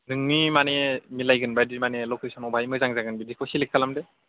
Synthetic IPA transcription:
nɯŋnimanɛmilajɡɯnbadimanɛlɔkesɔnɔbʱajmɯjzaŋzaɡɯnbidikʰɔsilikʰːalamdɛ

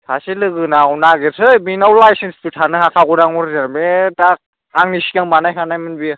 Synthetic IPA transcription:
sʰasilɯɡɯnawnaɡesʰɯjbinawlajsenspɯtʰanɯhakʰaɡɔɾaŋɔɾzanbetak̚ | aŋnisikaŋmanajkʰanajmɯnbi

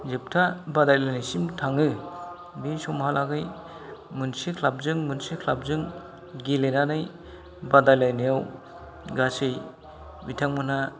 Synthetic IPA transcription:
zɯp̚tʰabadajlajnasimtʰaŋɯ | bisɔmhalʔaɡɯj | mɯnsikʰlap̚zɯŋmɯnsikʰlap̚zɯŋ | ɡilenanɯj | badajlajnijaw | ɡasɯj | bitʰaŋmɯna

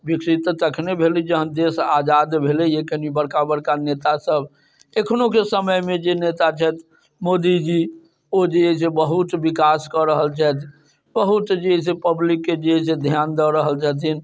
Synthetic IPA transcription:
bikʰsit̪t̪əkʰnebʱelid͡ʒəɦənd̪esad͡ʒad̪bʱelɛekʰənibəɽkabəɽkanet̪asəb | ekʰnokesəməjmed͡ʒenet̪at͡ʃʰɛt̪ʰ | mod̪id͡ʒi | od͡ʒeesebəɦut̪bikaskəɾəɦəlt͡ʃʰɛt̪ʰ | bəɦut̪d͡ʒeɦɛsepəblikːed͡ʒeɦesed̪ʱjand̪əɾəɦəlt͡ʃʰət̪̬in

